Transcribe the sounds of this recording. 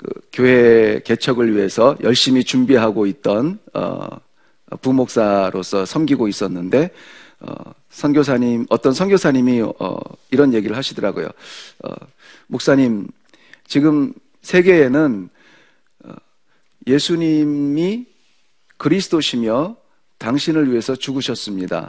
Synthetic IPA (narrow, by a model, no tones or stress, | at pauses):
kɯ̰kjoɦe̞ke̞t͡ɕʰʌɡɯɭɥiɦe̞sʰʌjʌɭɕ͈imit͡ɕumbiɦaɡoit̚t͈ʌnʌ̰ | pumok̚s͈aɾosʰʌsʰʌmɡiɡois͈ʌnːɯnde̞ | ʌ̰ | sʰʌŋɡjosʰaɲimʌt͈ʌnsʰʌŋɡjosʰaɲimiʌ̰iɾʌnje̞ɡiɾɯɭhaɕʰidɯɾaɡojo̰ʌ̰ | mok̚s͈aɲim | t͡ɕiɡɯm | sʰe̞ɡe̞ːnɯn | ʌ | je̞sʰuɲimmi | kɯɾisʰɯ̥d̥oɕʰimjʌ | taŋɕʰinɯɭɥiɦe̞sʰʌt͡ɕuɡɯɕʰʌs͈ɯmɲida̰